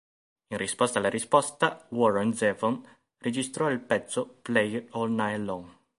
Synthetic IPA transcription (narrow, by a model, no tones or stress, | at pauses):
inrispɔst̪alːaɾispɔst̪awɔɾend̪zɛvɔn | red͡ʒist̪ɾɔilpɛt̪sːoplɛjɔlnajlːɔn